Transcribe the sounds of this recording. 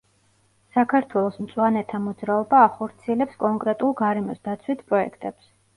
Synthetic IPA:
sakʰaɾt̪ʰwɛlˠɔsmt̪sʼwanɛt̪ʰamɔd̪zɾaɔbaːχɔɾt̪sʰiɛlɛpskʼɔŋkʼɾɛt̪ʼulˠɡaɾɛmɔsd̪at̪sʰwit̪ʰpʼɾɔɛ̰kʰt̪ʼɛps

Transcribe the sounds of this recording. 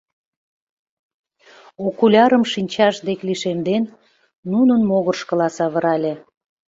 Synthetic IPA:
okulʲɑɾəmʃinʲt͡ɕɑʃd̪ekliʃemd̪enː | unənmoɣərʃkə̆lɑsɑβə̆ɾɑlʲĕ

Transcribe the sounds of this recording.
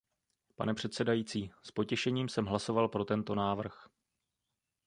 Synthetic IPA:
pa̰nɛpr̥ɛt̪sɛdajiːt͡siːspo̞cɛʃɛɲiːmsɛmɦlaso̞valpɾo̞t̪ɛnt̪o̞naːvr̩x

